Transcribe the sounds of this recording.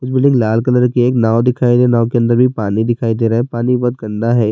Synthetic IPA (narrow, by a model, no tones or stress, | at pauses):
kʊt͡ʃbɪlɪ̃ŋɡlaːlkələɾkieːknaːod̪ɪkʰaːid̪enaːok̬eə̃nd̪əɾbʱipaːnid̪ɪkʰaːid̪eɾɐɦepaːnibɔt̪ɡɐ̃ɳɖaɦɛː